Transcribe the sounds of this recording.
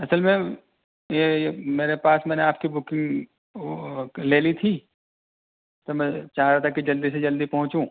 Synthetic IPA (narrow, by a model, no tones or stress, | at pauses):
ɐsəlmẽ | jejemeːɾepaːsmɛ̃ːneaːp̚kibʊkɪ̃ŋɡ | leːlit̪ʰi | t̪omɛ̃t͡ʃaːɾaːt̪ʰakid͡ʒɐld̪ised͡ʒɐld̪ipɐɦʊ̃t͡ʃũ